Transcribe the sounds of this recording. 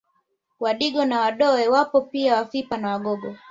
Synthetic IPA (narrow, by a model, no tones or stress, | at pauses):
waɗiɡɔnawaɗɔɛwapɔpiawafipanawaɡɔɡɔ